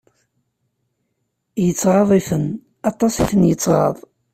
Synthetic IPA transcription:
jət͡sːʁɑðˤiθən | ɑt̪ˤːɑsiθənjət͡sːʁɑ̰ðˤ

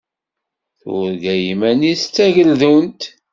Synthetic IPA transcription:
θʊ̰ɾɡæjimæniθt͡sːæʝəlðunt̪

